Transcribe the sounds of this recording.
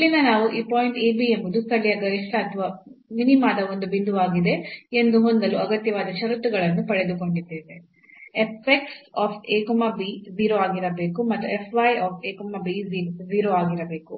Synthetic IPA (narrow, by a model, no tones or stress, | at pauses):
ilːinɐnaːʋuʔiːpoːjiɳʈeːbiembud̪ust̪ʰɐɭijɐɡɐɾiʂʈɐːt̪ʰɐʋaːminimaːd̪ɐo̞nd̪ubind̪uaːɡid̪e̞end̪uɦo̞nd̪ɐluɐɡɐt̪jɐʋaːd̪ɐʃɐɾut̪ːuɡɐɭɐnːupɐɽe̞d̪uko̞ɳɖid̪ːeːʋe | epːeksaːpʰeːkumabiziːɾoaːɡiɾɐbeːkumɐt̪ːue̞pʰʋɐjaːpʰeːkumɐbiziziːɾoaːɡiɾɐbe̞ːku